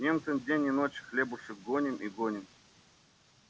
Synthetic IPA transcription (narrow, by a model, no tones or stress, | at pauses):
nʲemt̪sɨnʲdʲenʲinot͡ɕxlʲebuʂɨk̚ɡonʲimʔiɡonʲɪ̆m